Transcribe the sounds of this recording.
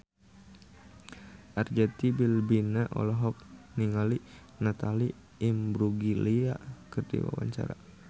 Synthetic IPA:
ʔard͡ʒat̪ibilbinaʔɔ̰lɔɦɔk̚niŋali | nat̪ali | imbɾuɡilia̰kərdḭwa̰wa̰ɲt͡ʃa̰ɾa̰

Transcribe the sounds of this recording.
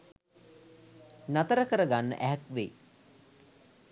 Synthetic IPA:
nat̪əɾəkəɾəɡanːə̰ʔæɦɛkʋeː

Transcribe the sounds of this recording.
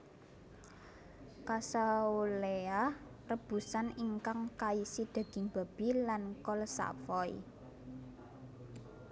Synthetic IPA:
kasaulea | rəb̥ṳsaniŋkaŋkaisid̪̥a̤ɡ̥i̤ŋb̥a̤b̥ilankɔlsa̰fɔj̰

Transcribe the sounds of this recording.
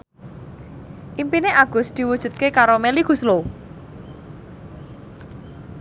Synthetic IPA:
ʔimpineʔaɡ̥ʊ̤sd̪̥i̤wud̥ʒ̥ṳt̪̚kekaɾomeliɡ̥ṳslo

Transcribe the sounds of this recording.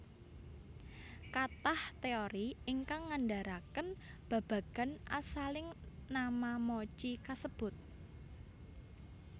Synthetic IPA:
kat̪aht̪eoɾiɪŋkaŋːanɖaɾakən | b̥a̤b̥ä̤ɡ̥a̤nʔa̰salɪŋnamamɔt͡ʃikasəb̥ʊ̤t̪̚

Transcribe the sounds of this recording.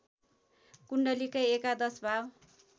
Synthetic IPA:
kuɳɖʌlikajekad̪ʌsbʱaw

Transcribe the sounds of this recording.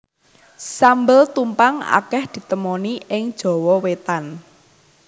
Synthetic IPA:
sambəlt̪umpaŋa̰kɛhd̪̥i̤t̪əmɔniʔɪŋd̥ʒ̥ɔ̤wɔwet̪an

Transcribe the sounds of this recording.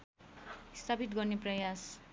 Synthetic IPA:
ist̪ʰapit̪̬ɡʌrneprʌjas

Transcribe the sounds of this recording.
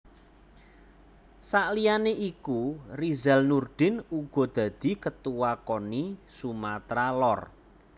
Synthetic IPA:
saʔlijaneʔikurizalnurd̪̥ɪ̤nuɡ̥ɔ̤d̪̥ä̤d̪̥i̤kət̪uwakonisumat̪ɾalɔr

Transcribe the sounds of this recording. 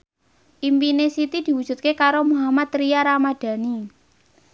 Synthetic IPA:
ʔimpinesit̪id̪̥i̤wud̥ʒ̥ṳt̪̚kekaɾomuɦamat̪ɾijaɾamad̪̥ä̤ni

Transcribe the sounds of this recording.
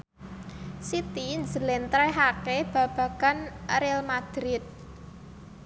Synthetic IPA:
sit̪ind͡ʒəlɛnt̪ɾɛɦakeb̥ä̤b̥a̤kanɾelmad̪̥ɾɪt̪̚

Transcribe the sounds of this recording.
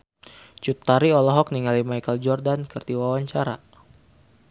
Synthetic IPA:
t͡ʃut̪ːaɾiɔlɔɦɔk̚niŋalimajkəld͡ʒɔrdankərd̪iwawaɲt͡ʃaɾa̰

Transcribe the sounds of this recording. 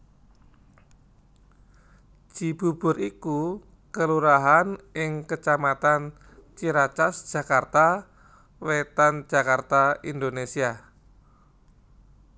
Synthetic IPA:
d͡ʒ̥i̤b̥ṳb̥ʊ̤ɾiku | kəluɾaɦanɪŋkət͡ʃamat̪an | t͡ʃiɾat͡ʃasd̥ʒ̥a̤kart̪a | wet̪an̥d͡ʒ̥a̤kart̪aind̪onesia

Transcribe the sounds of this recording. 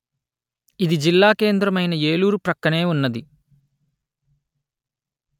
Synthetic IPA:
id̪id͡ʒilːaːke̞ːnd̪ɾɐmɐjnɐeːluːɾupɾɐkːɐne̞ːunːɐd̪i

